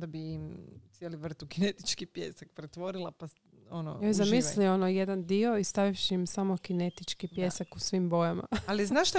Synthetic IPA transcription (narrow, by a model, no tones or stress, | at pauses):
d̪abiimsjeliʋr̩t̪ukinet̪i̥t͡ʃkipjeːsak̚pɾet̪ʋo̞ɾilˠapa | ono̰jojzamislioonoje̞d̪and̪io̞ist̪aʋifʃiːmsamokinet̪it͡ʃkipje̞ːsakusʋimbo̞jama̰aliznaʃt̪a